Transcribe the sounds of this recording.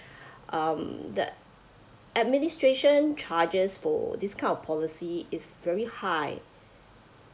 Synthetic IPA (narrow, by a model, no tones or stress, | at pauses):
ʔamdə̰ | ʔɛd̚ministɹeʃə̃nt͡ʃʰad͡ʒəsfɔ̰diskʰãɪj̃ndɔfpʰɔlisiɪsvɛɹihaɪ